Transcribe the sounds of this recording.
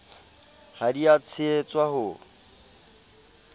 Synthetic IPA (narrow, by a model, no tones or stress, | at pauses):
haɾiat͡sʰɪet͡sʼwaɦʊ